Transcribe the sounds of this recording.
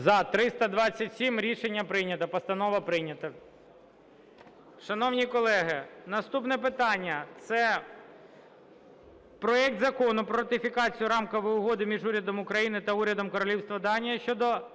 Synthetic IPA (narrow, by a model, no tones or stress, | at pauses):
zɐt̪ɾɪst̪ɐd̪ʋɑt͡sʲːɐtʲsʲimɾʲiʃenʲːɐpɾɪnʲɐt̪ɐpɐst̪ɐnɔʋɐpɾɪnʲɐt̪ɐ | ʃɐnɔwnʲikɔlˠɛɦɪnɐst̪upnɛp̬ɪt̪ɑnʲːɐt̪sɛ | pɾɔɛk̚t̪zɐkɔnʊpɾɔɾɐt̪ɪfʲikɑt͡sʲijʊɾɑmkɐʋɪʊɦɔd̪ɪmʲiʒuɾʲɐd̪ɔmʊkɾɐjinɪt̪ɐuɾʲɐd̪ɔmkɔɾɔlʲiwst̪ʋɐd̪ɑnʲijɐʃt͡ʃɔd̪ɔ